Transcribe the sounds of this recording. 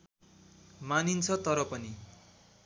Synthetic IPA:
manint͡sʰʌt̪ʌɾʌpʌni

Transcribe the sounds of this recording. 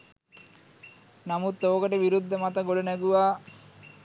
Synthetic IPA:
namut̪ːoːkəʈəʋiɾud̪ʱːəmat̪əɡoɽənæɡuʋaː

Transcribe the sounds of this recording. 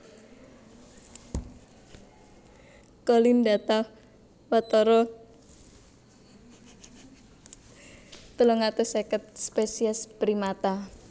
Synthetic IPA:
kɔlindat̪a | wat̪ɔɾɔ | t̪əloŋat̪usekət̪̚spesiɛspɾimat̪a

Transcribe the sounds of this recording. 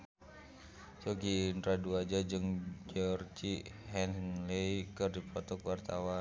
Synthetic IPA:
t͡ʃɔɡiːnt̪ɾaduad͡ʒad͡ʒɨŋd͡ʒɔrd͡ʒiɦɛnlɛikɨrdipɔt̪ɔkwart̪awa

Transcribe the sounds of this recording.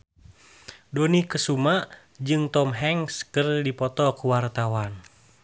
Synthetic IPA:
dɔnikəsumaʔ | d͡ʒɨŋt̪ɔmɦɛŋskərdipɔt̪ɔkuwart̪awan

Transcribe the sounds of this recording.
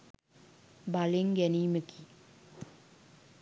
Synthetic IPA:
baleŋɡæniːməki

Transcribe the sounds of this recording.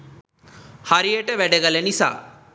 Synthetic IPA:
haɾijəʈəʋæɖəɡələnisa̰ː

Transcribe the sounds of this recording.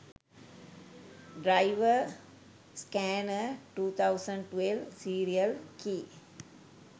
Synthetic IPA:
ɖɾaɪʋə | skɛnəʈuːt̪ʰaʊsə̃ɳɖʈʋelsiːɾiəlkʰiː

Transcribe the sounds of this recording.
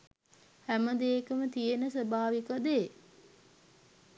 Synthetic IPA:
hæməd̪eːkəmət̪ijenəsəbaːʋikəd̪e

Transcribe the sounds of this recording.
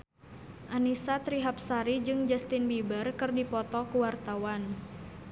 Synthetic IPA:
ʔanisat̪ɾiɦap̚saɾid͡ʒɨŋd͡ʒast̪ɪnbibərkɨrdipɔt̪ɔkuwart̪awan

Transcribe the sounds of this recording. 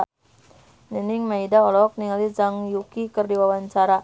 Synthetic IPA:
nənɪŋmaidaɔlɔk̚niŋalid͡ʒaŋjukikərdiwawaɲt͡ʃaɾa

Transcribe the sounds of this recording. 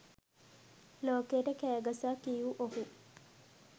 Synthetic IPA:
loːkeːʈəkæːɡasaːkijuʔoɦu

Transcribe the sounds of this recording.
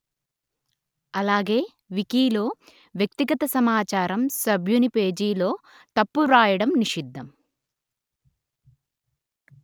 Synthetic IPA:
ɐlaːɡe̞ː | ʋikiːloː | ʋjɐk̚t̪iɡɐt̪ɐsɐmaːt͡ʃaːɾɐmsɐbʱjunipe̞ːd͡ʒiːlo̞ː | t̪ɐpːuɾaːjɐɽɐmniʂid̪ʱːɐm

